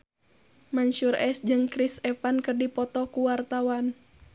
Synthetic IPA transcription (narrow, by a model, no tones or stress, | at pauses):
maɲʃurɛsd͡ʒɨŋkɾisɛpankɨrdipɔt̪ɔkuwart̪awan